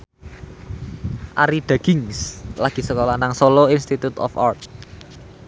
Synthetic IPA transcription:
ʔaɾid̥ä̤ɡ̥ɪŋslaɡ̥i̤səkolanaŋsoloinst̪it̪ut̪ɔ̰fart̪

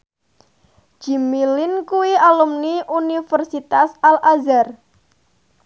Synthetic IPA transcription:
d͡ʒ̥i̤milɪnkuwialumniʔunifərsit̪asalʔazar

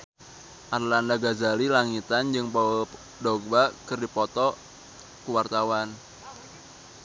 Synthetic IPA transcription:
ʔarlandaɡazalilaŋit̪and͡ʒɨŋpɔ | dɔɡ̚bakɨrdipɔt̪ɔ | kuwart̪awan

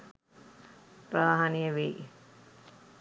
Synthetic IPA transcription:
pɾaːɦanijəʋi

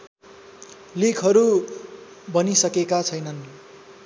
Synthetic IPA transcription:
likʰɦʌɾu | bʌnisʌkekat͡sʰʌjnʌn

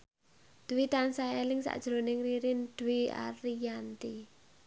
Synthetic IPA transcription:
d̪̥uwit̪ansaɛlɪŋsa̰ʔd̥ʒ̥ɾo̤nɪŋriɾɪnd̪̥uwia̰ɾijant̪i

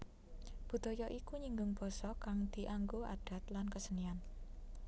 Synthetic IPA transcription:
b̥ṳd̪̥o̤jɔʔikuɲiŋɡʊŋb̥ɔ̤sɔkaŋd̪̥i̤ʔaŋɡoa̰ɖ̥a̤t̪lankəsənian

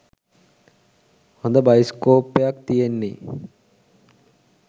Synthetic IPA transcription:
hond̪əbɐjskoːpːejakt̪ijenːi

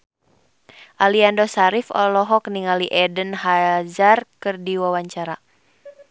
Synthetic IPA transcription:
ʔaliandɔsaɾifɔ̰lɔɦɔk̚niŋaliʔɛdənɦazarkɨrdiwawaɲt͡ʃaɾa

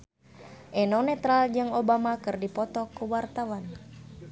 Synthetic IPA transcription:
ʔɛnɔnɛt̪ɾald͡ʒɨŋobamakɨrdipɔt̪ɔkuwart̪awan

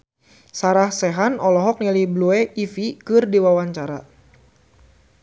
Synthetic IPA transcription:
saɾahsɛɦanɔlɔɦɔk̚nalibluɛʔifikɨrdiwawaɲt͡ʃaɾa̰

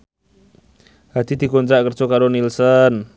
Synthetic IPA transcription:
hat̪it̪ikɔnd̪ɾaʔkərt͡ʃɔkaɾonilsən

